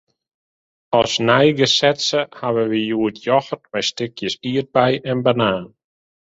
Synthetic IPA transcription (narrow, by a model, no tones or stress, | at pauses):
ɔsnɛjɡəsɛtsəhaʋəʋijuətʰjɔxərtmɛjstɪkʰjəsiːər̚bɛjɛnbanaːn